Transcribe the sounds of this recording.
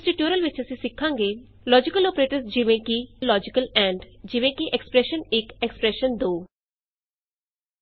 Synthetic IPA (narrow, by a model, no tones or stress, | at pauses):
sʈiʈjoːɾəlʋɪt͡ʃʰɐsĩsɪkʰːãːŋɡe | lɔːd͡ʒikəlɔːpɾeːʈəɾsd͡ʒiʋẽkilɔːd͡ʒɪkəlɛ̃ɳɖd͡ʒɪʋẽkiʔekspɾeʃənekekspɾeʃənd̪oː